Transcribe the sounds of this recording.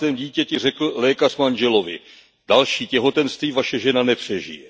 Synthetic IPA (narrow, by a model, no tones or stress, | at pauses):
ɛːmɟiːcɛcɛr̝ɛkl̩lɛːkar̥manʒɛlo̞vɪ̰ | d̥alʃiːcɛɦo̞t̪ɛnst̪viːvaʃɛʒɛnanɛpr̝̥ɛʒɪ̰jɛ